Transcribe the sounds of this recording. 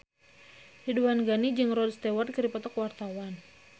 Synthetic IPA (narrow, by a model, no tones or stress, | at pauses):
hiduanɡanid͡ʒɨŋrɔdst̪ewarkəɾipɔt̪ɔkwart̪awan